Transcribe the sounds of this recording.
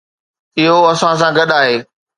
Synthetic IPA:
ɪɦoɐsãs̬ãɡɐɗaːɦeː

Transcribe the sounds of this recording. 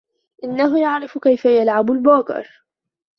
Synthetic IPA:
ʔɪnːaɦʊjaʕɾɪfkajfajalʕabʊlbaːkɪ̰ɾ

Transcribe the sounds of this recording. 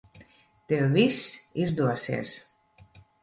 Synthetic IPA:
t̪eβisizd̪uasḛs

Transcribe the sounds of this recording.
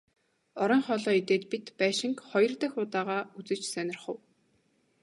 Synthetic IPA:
ɔɾɞ̆ŋχɔɮɔːit̪eːt̪pit̪pæːʃɪ̆ŋkχɔjɞ̆rt̪ə̆xʊːt̪aːʁaːut͡sɘ̆t͡ɕsœnʲɪ̆rχə̆w

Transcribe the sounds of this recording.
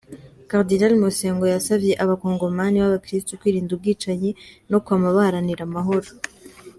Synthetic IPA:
kaʁdinalmose̞ːŋɡo̞jasabje̞ʔaβakoːŋɡo̞maniβaβakɾistokwiːɾiːndubɡiːt͡ʃaɲeno̞kuamaβahaɾaniɾamaɦo̞ɾo

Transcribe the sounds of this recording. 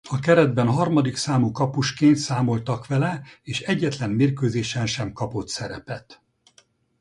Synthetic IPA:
ɒkɛɾɛd̪̚bɛnɦɒrmɒd̪iksaːmukɒpuʃkeːnt̪saːmo̞lt̪ɒkʋɛlɛeːʃɛɟːɛt̪lɛmmeːrkøːzeːʃɛnʃɛmkɒpo̞t̪sɛɾɛ̰pɛt̪

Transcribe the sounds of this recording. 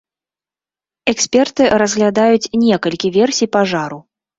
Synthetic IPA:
ɛksʲpʲɛrt̪ɨɾɐzɣlʲad̪ajut͡sʲnʲɛkɐlʲkʲivʲɛrsʲijpaʐaɾu

